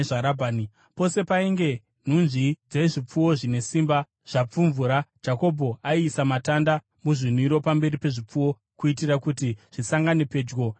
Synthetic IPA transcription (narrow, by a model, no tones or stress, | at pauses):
ʐaɾabʱaːni | po̞se̞paiŋɡe̞ | n̤unʐid͡zeiʐip͡fuwo̞ʐine̞simba | ʐ̥ap͡fuɱvuɾad͡ʒako̞bʱo̞aiːsamatanda | muʐin̤uiɾo̞pambe̞ripe̞ʐip͡fuwo̞ | kuit̬irakutiʐ̥isaŋɡanepe̞d͡ʒɡo̞